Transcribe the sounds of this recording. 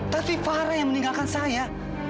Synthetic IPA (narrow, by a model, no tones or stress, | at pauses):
t̪apifaɾajaŋməniŋɡalkansaja